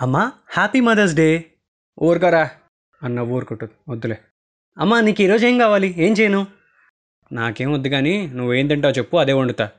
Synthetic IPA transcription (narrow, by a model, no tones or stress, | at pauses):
ɐmːahaːpimɐd̪ɐs̬ɖeː | oːɾkɐɾaː | ɐnːɐʋoːɾkoʈːud̪od̪ːule | ɐmːaniːkiːɾoːd͡ʒeːŋkaːʋaːlie̞ːnt͡ʃɛːjɐnu | naːkeːmod̪ːiɡaːninuʋːeːnd̪ɐɳʈaːut͡ʃepːuɐd̪eːuɳɖut̪aː